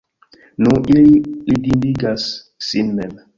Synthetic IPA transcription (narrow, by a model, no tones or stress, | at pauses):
nũʔililidindiɡasː | inːɛn